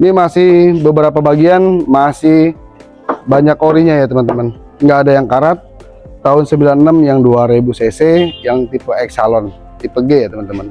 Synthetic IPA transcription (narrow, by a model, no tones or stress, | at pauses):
nimasɪhbəbəɾapabaɡianmasɪh | baɲakoɾiɲajat̪əmənt̪əmən | ŋɡaːdajaŋkaɾat̪̚ː | aʊnsəmbilanənəmjaŋduaɾebusesejaŋt̪ipəɛksalɔn | t̪ipəɡɛjat̪əmənt̪əmən